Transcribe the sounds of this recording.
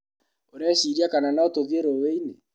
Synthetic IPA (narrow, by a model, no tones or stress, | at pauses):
oɾɛsiɾiakananaotoðeɾoweine